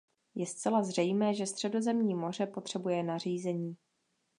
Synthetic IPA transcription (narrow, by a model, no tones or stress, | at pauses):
jɛst͡sɛlazr̝ɛjmɛːʒɛst̪r̝̥ɛdo̞zɛmɲiːmo̞r̝ɛpo̞t̪r̥ɛbujɛnar̝iːzɛɲiː